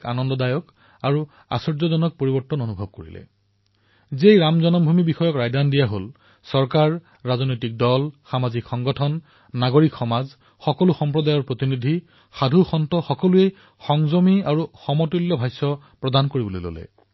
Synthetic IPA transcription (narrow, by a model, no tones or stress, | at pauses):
ka̰nɔndɔdajɔk | aɹu | a̰sɔɹzɔzɔnɔk̚poɹibɔɹtːɔnonubʱɔb̚koɹḭlɛ̰ | zejɹamzɔnɔmbʱumibixɔjɔkɹajdandijaɦol | sɔɹkaɹː | azɔnojtik̚dɔlxamazikxɔŋɡɔtʰɔnː | aɡoɹikxɔmaz | xɔkɔluxɔmpɹɔdajɔɹpɹot̪inidʱi | xadʱuxɔntɔxɔkɔluej | xɔŋzomiaɹuxɔmɔtulːɔbʱajsɔ | pɹɔdankoɹibɔlo̰jlo̰lɛ̰